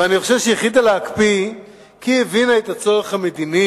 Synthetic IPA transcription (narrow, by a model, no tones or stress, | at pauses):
eaniχoʃevʃejeχid̪alaakpi | kievinaet̪at͡so̞ʁeχhame̞d̪ini